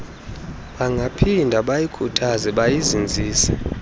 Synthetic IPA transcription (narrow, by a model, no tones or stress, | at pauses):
ɓaŋɡʱapʰindʱaɓajikʰutʰazɛɓajizind͡zʱiːsɛ̥